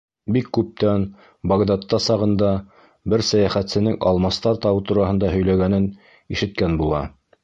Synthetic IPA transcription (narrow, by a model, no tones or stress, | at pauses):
bikːʉp̚t̪æn | bɑɡd̪ɑt̪ːɑsɑʁɤ̆nd̪ɑ | bɘɾsæjæχæt̪sɘ̆nɘŋɑ̰lˠmɑst̪ɑɾt̪ɑwɤt̪uɾɑɦɤ̆nd̪ɑɦɵ̆jlæɡænɘn | iʃɘ̆t̪̚kænbulˠɑ̰